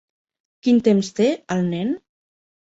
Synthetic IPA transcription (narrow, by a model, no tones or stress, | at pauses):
kint̪emst̪eəlˠnɛn